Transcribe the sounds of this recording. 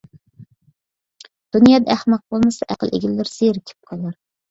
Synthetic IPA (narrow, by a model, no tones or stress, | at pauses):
d̪̥unijɑːd̪ɛæhmɑq̚bolˠmɨsɑʔæqəlˠʔḛɡʲɪlːɪɾseɾɪkʲʰɪ̥p̚qʰɑlˠɑɾ